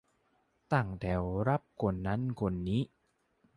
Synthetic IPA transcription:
t̪a˨˩ŋt̪ʰɛ˨˩wɾa˦˥p̚kʰo˧nːa˦˥nkʰo˧nːiː˦˥

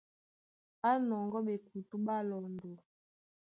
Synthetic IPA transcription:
ɓa˦nɔ˨ŋɡɔ˦ɓe˨ku˨tu˦ɓa˦lɔ˨ndo˨

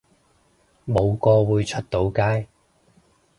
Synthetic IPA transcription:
mo˨˧wkɔː˧wuː˨˧jt͡ʃʰɵ˥t̚t̪o˨˥wkaː˥j

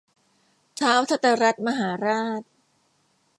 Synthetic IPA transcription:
t͡ɕʰaː˦˥wt̪ʰa˦˥t̪a˧ɾa˦˥t̪̚ma˧ɦaː˩˦ɾaː˥˩t̪̚

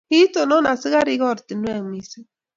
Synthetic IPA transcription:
hi˦tɔ˨nɔ˦na˨si˦ɣa˦ɾi˦ɣɔ˦˨ɾt̪i˨nwɛ˦˨mi˨si˦

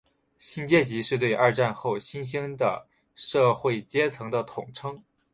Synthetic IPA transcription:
ɕi˥nt͡ɕjɛ˥t͡ɕi˧˥ʂɻ̩˥˧t̪we˥˧ɪʔa˞˥˧ʈ͡ʂa˥˧nxo˥˩ʊɕi˥nɕ̬i˥ŋd̪ə̰˨˩ | ʂɤ˥˧xwe˥˩ɪt͡ɕjɛ˥t͡sʰɤ˧˥ŋd̪ə˧t̪ʰʊ˨˩ŋʈ͡ʂʰɤ˥ŋ

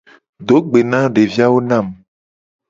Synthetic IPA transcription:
ɖ̪o˨˦ɡ͡be˨nã˦ɖe˨vi˦a˦wo˦nã˦˨m

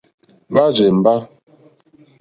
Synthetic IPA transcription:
ba˦d͡ʒe˨m̩˨ba˦

